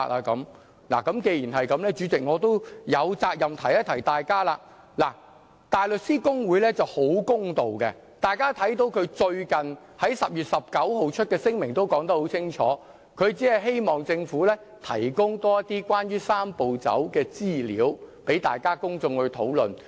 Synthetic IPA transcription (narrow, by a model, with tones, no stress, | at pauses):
ʔaː˧kɐ˨˥m | la̰ː˨˩kɐ˨˥mke˧ji˨˩nɦɐ˨jkɐ˨˥mlɛː˥t͡ʃyː˨˥t͡sɪ˨k̚ŋɔː˨˧t̪o˥wjɐ˨˧wt͡saː˧k̚jɐ˨˩mt̪ʰɐ˨˩jɐ˥t̪ʰɐ˨˩jt̪aː˨jkaː˥laː˧ | laː˨˩ | t̪aː˨jlɵ˨t̚siː˥kʊ˥ŋwuː˨˧˥jlɛː˥t͡sɐ˨who˨˥wkʊ˥ŋt̪o˨wkɛ˧ | t̪aː˨jkaː˥t̪ʰɐ˨˥jt̪̬o˨˧˥wkʰɵ˨˧ɥt͡ʃɵ˧ɥkɐ˨n | hɐ˨˥jsɐ˨p̚jyː˨t̚sɐ˨p̚kɐ˨˥wɦo˨wt͡ʃʰt̚kɛː˧sɪ˥ŋmɪ˨˩ŋt̪o˥wkɔː˨˥ŋt̪ɐ˥k̚ho˨˥wt͡sʰɪ˥ŋt͡ʃʰɔ̰ː˨˧˦ | kʰɵ˨˧ɥt͡siː˨˥hɐ˨jɦe˥jmɔː˨ŋt͡sɪ˧ŋfuː˨˥lɛː˥ | t̪ʰɐ̰˨˩jkʊ˥ŋt̪ɔː˥jɐ˥t̪ːiː˥kwaː˥nɥyː˥saː˥mpo˨wt͡sɐ̰˨˥wkɛː˧t͡siː˥lḭː˨˥wpe˨˥jt̪a̰ː˨jkaː˥kʊ˥ŋt͡sʊ˧ŋhɵ˧ɥt̪ʰo̰˨˥wlɵ̰˨n